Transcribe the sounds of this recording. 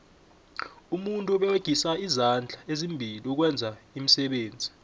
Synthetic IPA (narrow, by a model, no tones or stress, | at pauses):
umuntʼuɓɛweɡ̥ʱisaizand͡ɮʱaezimbʱiliuk̬wɛnd͡zʱaimisɛɓeːnd͡zʱi